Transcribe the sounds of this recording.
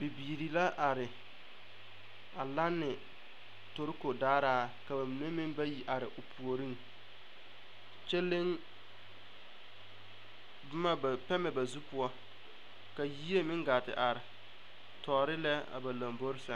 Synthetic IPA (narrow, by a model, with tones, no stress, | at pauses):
bɪ˨biː˨ɾi˨la˦ʔa˨ɾɪ˨ | a˨la˦nːɪ˨ | to˨ɾɪ˦ko˨daː˦ɾaː˦ka˨ba˨mi˨ne˦mɪ˦ŋba˦ji˨ʔa˨ɾɪ˨ʔʊ˨pʰu˨o˨ɾi˦ŋ | t͡ʃe˦lɪ˦ŋ | bʊ˦ma˦ba˨pɛ˦mɛ˨ba˨zu˦pʊ˦ɔ˦ | ka˨ji˦e˦mɪ˦ŋɡaː˨tɪ̰˨ʔa˨ɾɪ˨ | tɔː˨ɾɪ˦lɛ˦a̰˨ba˨la˨mbo˦ɾɪ˦sɛ˦